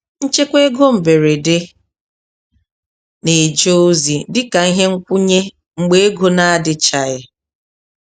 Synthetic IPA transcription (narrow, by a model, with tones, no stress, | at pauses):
n̩˦t͡ʃe˦kʷe˦ɡo˦m̩˨be˨ɾe˨dɪ˦ | ne˨d͡ʒo˦zi˨dɪ˦ka˨˦ɦe˦ŋ̩˦kʷʊ˦ɲe˦ | ŋ͡m̩˨ɡ͡be˦e˦ɡo˦na˦a˦dɪ˨t͡ʃa˨ɪ˨